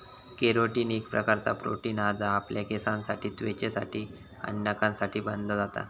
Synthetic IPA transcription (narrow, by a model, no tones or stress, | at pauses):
keɾoʈiːnekpɾəkaɾt͡sa̰pɾo̰ʈiːnad͡zaːpljakesãnsaʈiːt̪ʋet͡ɕesa̰ʈʰiː | a̰nnakãnsaʈʰiːbənd̪ʱəd͡zat̪a̰